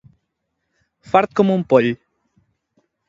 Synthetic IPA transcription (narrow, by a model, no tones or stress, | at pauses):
faɾt̪̚komumpɔʎ